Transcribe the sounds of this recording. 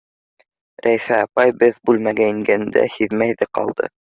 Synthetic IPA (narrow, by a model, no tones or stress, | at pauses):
ɾʔæjfæɑpɑjbɘðbʉlmæɡæiŋɡænd̪æ̰hiðmæjðɘqɑ̰lˠd̪ɤ̰